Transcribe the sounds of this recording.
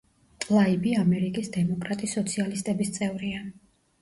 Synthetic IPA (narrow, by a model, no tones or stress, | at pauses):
t̪ʼlˠaibiamɛɾikʼisd̪ɛmɔkʼɾat̪ʼisːɔt̪sʰialist̪ʼɛbist̪sʼɛvɾian